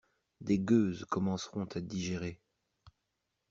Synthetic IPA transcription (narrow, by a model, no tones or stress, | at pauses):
d̪eɡøzkɔmɑ̃sʁɔ̃t̪ʰad̪iʒeʁe